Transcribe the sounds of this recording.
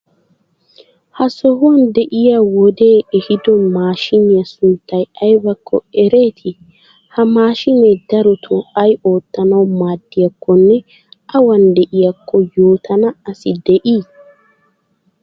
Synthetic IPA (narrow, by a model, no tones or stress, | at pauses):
hɐsɔhʊɐnd̪ɛʔɪjɐwɔd̪eːʔɛhɪd̪ɔmaːʃɪnɪjɐsʊnt̪ːɐjɐjbɐkʰːɔ̰ɛɾeːt̪ʰɪ | hɐmaːʃɪnɛd̪ɐɾɔt̪ʰʊɐjoːt̪ːɐnɐwmaːd̪ːɪjɐkːɔnːɛ | ɐwɐnd̪ɛʔɪjɐkʰːɔjoːt̪ʰɐnɐːsɪd̪ɛʔiː